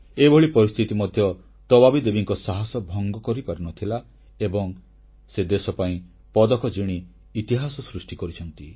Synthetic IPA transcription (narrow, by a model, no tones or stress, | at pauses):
ebʱoɭipɔɾist̪ʰit̪imɔd̪ʱjɔ | t̪ɔbabid̪ebiŋkɔsaɦasɔbʱɔŋɡɔkɔɾipaɾinɔt̪ʰila | ebɔŋ | sed̪esɔpaĩ | pɔd̪ɔkʰɔd͡ʒiɽ̃iː | t̪iɦasɔsɾusʈikɔɾit͡ʃʰɔnt̪i